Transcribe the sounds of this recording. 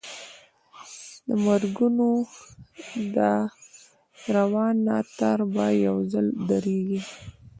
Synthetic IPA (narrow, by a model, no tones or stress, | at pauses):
d̪əmaɾɡuno | d̪ə | ɾawɑnːɑt̪aɾbɑjjawzəld̪aɾeɡi